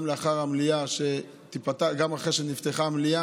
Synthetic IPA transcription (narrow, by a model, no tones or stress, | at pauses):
mleaχaʁamlijaʃe | t̪ipat̪aɡamaχeʃenift̪eχamlia